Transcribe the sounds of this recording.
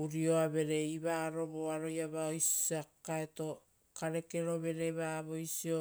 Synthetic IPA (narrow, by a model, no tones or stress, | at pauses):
uɾio̞aβe̞ɾe̞iβaːɾo̞βoaɾo̞jaβaojsakaeto̞ | kaɾe̞ke̞ɾo̞βe̞ɾe̞βaβo̞jsio̞